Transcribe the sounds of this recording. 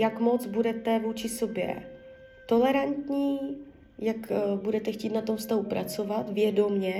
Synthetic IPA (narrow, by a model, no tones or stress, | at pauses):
jakmo̞t͡sbudɛt̪ɛvuːt͡ʃɪso̞bjɛ̰ | t̪o̞lɛɾant̪ɲiː | jakbudɛt̪ɛxciːt̪nat̪o̞mfst̪aɦupɾat͡so̞vat̪vjɛdo̞mɲɛ